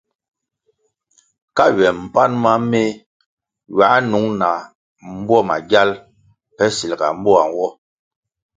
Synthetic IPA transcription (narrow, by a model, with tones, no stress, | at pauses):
ka˦˨ɥɛ˨m̩˨pa˦nma˦me˦ | ɥa˨˦nu˨˦ŋna˨ | m̩˦bwɔ˦˨ma̰˨ɡja˦l | pɛ˦si˨lɡa̰˨m̩˦bɔ˦a˨ŋ˨wɔ˦